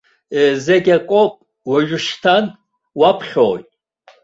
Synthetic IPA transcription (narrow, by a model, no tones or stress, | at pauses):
ezaɡʲakʷʼopʼ | waʒᶣʊʃtʰan | wapʰχʲo̰